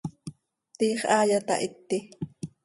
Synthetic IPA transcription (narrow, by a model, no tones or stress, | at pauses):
t̪iːχʔaːjat̪a̰ʔɪt̪ːɪ